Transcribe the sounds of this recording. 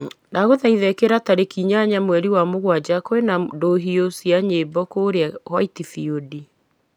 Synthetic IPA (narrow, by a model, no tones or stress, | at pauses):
naɣoðaiðɛkeɾataɾekiɲaɲamwɛɾiwamoɣwad͡ʒakoenadoɦiosiaɲebɔkoːɾeahwaitifiodi